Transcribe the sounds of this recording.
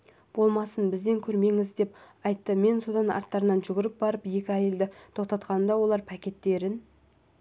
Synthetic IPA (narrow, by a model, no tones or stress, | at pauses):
b̥o̞lˠmɑsənbɪzd̪e̞ŋkʲʰɵɾme̞ŋɪzd̪e̞p | ɑjt̪ːəme̞nso̞d̪ɑnɑ̰ɾt̪ːɑɾənɑnʒʏɡʲɪɾɪp̚bɑɾəpje̞kʲɪæjeld̪ɪt̪ʰo̞qt̪ɑt̪qɑnəmd̪ɑwo̞lˠɑɾpʰækʲe̞t̪ːe̞ɾɪn